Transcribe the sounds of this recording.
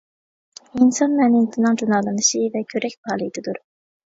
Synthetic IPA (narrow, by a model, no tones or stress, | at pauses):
insɑnmɛnɪnt̪ʰɪnɨŋd͡ʒunɑːlˠɨnɨʃivɛkʲʰøɾɛk̚ʲbɑːlˠɨd̪ɪd̪uɾ